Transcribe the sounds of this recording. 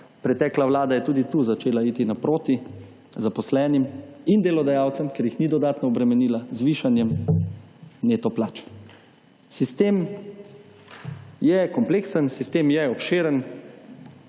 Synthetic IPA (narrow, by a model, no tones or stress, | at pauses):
pɾɛt̪ɛːklaʋlaːd̪ajɛt̪uːd̪it̪uzat͡ʃeːlaiːt̪inapɾoːt̪i | zapɔslɛːnimind̪elɔd̪ajaːwt̪səmkɛɾjixnid̪ɔd̪aːt̪nɔːbɾɛmɛniːlazʋiːʃanjɛm | neːt̪ɔplaːt͡ʃ | sist̪eːm | jɛkɔmpleːksənsist̪eːmjɛɔpʃeːɾən